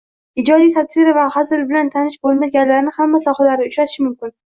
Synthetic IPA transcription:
ɪd͡ʒɒd̪ijsat̪ʰiɾavahazɪɾbɪlant̪ʰanɪʃbolˠmaɡʲanlaɾnɪhamːasɒhalaɾɪʊt͡ʃat̪ɪʃɪmʊmkʲɪn

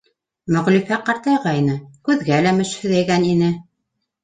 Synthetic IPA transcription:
mɵ̆ʁlifæqɑɾt̪ɑjʁɑinɤkʉðɡælæmɘ̆ʃhɵ̆ðæjɡæninɘ

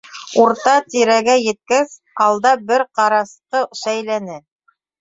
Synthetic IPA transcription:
uɾt̪ɑt̪iɾæɡæjɘ̆t̪̚kæz | ɑlˠd̪ɑbɘɾqɑɾɑsqɤʃæjlænɘ

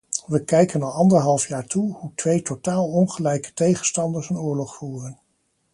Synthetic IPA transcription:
ʋəkɛjkənɑlˠɑndəɹɦɑlˠfjaːɹtuhutʋejtotaːlˠɔnχəlɛjkə̥tejχənstɑndəɹsənʊːɹlɔχfuːrən

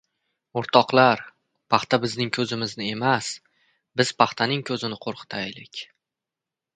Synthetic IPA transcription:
oɾt̪ʰɒqlˠaɾ | pʰɑχt̪abɪznɪŋkʰɵzɪmɪznɪe̞mas | bɪz̥pʰaχt̪ʰanɪŋkʲʰɵzɪnɪqʰoɾqʰɨ̥t̪ʰajlɪkʲ

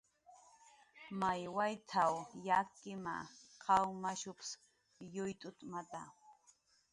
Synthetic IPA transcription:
majwajt̪ʰawjakːɪma̰qʰɑwmaʃʊps | jʊjt̪ʼʊt̪ʼmat̪a

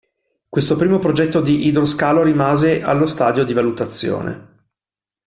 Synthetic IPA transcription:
kwest̪opɾiːmopɾod͡ʒɛt̪ːod̪iʔid̪ɾoskaːloɾimaːzeʔa̰lːost̪aːd̪jod̪ivalut̪at̪sːjo̰ːnḛ

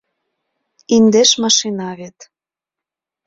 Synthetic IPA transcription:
ind̪eʃmɑʃinɑβet̪

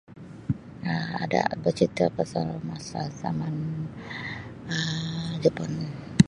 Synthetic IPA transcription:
əa̰da̰bət͡ʃit̪əpasalmasazaman | əd͡ʒəpan

